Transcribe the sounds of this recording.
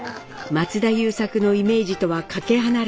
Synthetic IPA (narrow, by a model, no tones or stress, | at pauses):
mat͡sɨd̪ajɯːsakɯ̟no̞ime̞ːʑit̪o̞βakake̞ɦanaɾ